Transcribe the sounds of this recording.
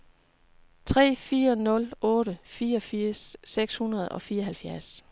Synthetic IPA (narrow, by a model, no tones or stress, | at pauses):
t͡sʰʁɛ̰ːfiːɐnɔ̽lʔɔ̽ːɾəfiːɐɒfiɐ̰sːeɡ̥shunɐð̞̩ˠɒ̽fiːɐɦælfjæɐs